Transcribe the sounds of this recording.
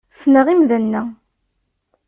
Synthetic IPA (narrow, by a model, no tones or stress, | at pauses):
snəʁimðənːæ